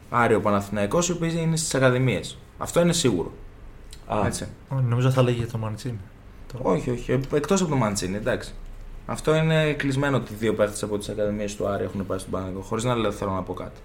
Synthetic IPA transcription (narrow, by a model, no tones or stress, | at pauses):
ɐɾio̞pɐnɐθinɐiko̞siopisinest̪i̥sɐkɐðimies | ɐ̰ft̪o̞ine̞siɣṵɾo̞̰ | ɐe̞t͡sionomizoθɐleʝiʝɐt̪omɐnt͡sini | o̞çio̞çiekt̪os̬po̞t̪o̞mɐnt͡sinid̪ɐksi̥ɐ̰ft̪o̞ine̞klizme̞noot̪iðio̞pe̞ɾθesɐpo̞t̪isɐkɐðimie̞st̪uɐɾioe̞xunepɐsist̪obɐnɐiko̞xoɾiznɐlefθelonɐpo̞kɐ̰t̪i̥